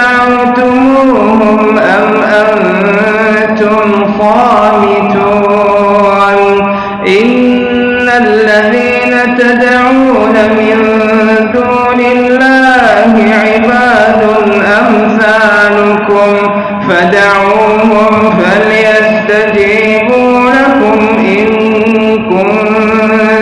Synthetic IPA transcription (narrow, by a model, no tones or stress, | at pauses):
ʕawt̪ʊm | uː | hʊm | ʔamʔan | t̪ʊm | xɑːmɪt̪uː | n | ʔɪnː | alːaðiːnat̪ad̪ | ʕuːnamɪn | d̪uːnɪllːaːhɪʕɪbaːd̪ʊnʔamsaːnʊkʊm | fad̪aʕuːhʊmfaljast̪ad͡ʒɪ | buːnakʊmʔɪn | kʊn